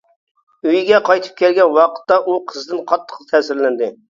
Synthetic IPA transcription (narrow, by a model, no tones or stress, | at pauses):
øjɡʲɛqʰɑjt̪ʰɨ̥p̚kʲɛlɡʲɛnwɑqʰə̥t̪ːɑʔuqʰəzd̪ɨnqʰɑt̪ʰːə̥qt̪ʰɛːsɪɾlɪnd̪ɪ